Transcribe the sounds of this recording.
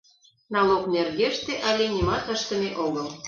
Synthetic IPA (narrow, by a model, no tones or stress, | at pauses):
nɑloknerɣeʃt̪eʔɑlʲenʲimɑt̪əʃt̪ə̆meʔoɣəl